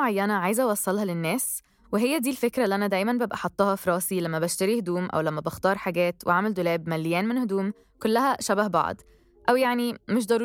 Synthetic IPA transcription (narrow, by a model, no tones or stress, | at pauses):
ʕajːænæʕaːjzæʔɑwɑsˤːɑlhɑlenːæːs | weɦejːæd̪iːlfekɾæʔlːʔænæd̪æːjmænbæbʔæħɑt̪ˤːɑhɑfɾˤɑːsilæmːæbæʃt̪æɾihd̪uːmʔæ̰wlæmːæbɑxt̪ɑːɾˤħaɡæːt̪wʔḛʕameld̪olæːbmælːejæːnmenhod̪uːm | kolːæhæʃæbæhbɑ̰ʕ̰d̪ˤ | ʔæwjaʕnimeʃ̬d̪ˤɑɾˤuː